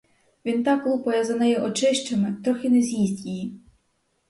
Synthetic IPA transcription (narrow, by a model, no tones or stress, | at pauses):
ʋʲint̪ɑkːlˠupɔjɛzɐnɛjɛʔɔt͡ʃɪʃt͡ʃemɪt̪ɾɔxʲɪnezʲjizʲtʲiji